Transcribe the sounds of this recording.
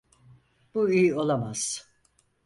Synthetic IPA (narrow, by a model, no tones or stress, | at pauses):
b̥uijo̞lˠamaz̥